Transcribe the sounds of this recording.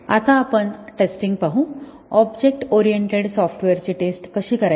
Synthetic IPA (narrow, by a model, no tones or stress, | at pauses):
a̰t̪aːpəɳʈesʈiŋɡ̚paɦũ | ɔbd͡ʑek̚ʈɔɾijeɳʈeɽsɔfʈʋeɾt͡ɕiːʈesʈkəɕiːkəɾa